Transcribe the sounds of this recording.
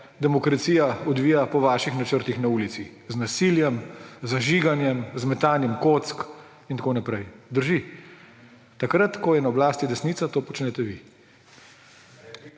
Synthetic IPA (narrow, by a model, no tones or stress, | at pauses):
d̪ɛmɔkɾat̪siːjaɔd̪ʋiːjapɔʋaːʃixnat͡ʃəɾt̪ixnauːlit̪siznasiːljɛmzaʒiːɡanjɛmzmɛt̪aːnjɛmkot̪sk | int̪akoːnapɾɛjd̪əɾʒi | t̪akɾat̪kɔjɛnaɔblaːst̪id̪ɛsnit̪sat̪oːpɔt͡ʃnɛt̪ɛʋḭ